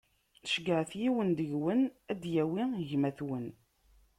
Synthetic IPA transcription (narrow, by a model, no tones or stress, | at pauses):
θəʃɡəʕθjiwənd̪əʝwənæd̪jæwiʝmæθwən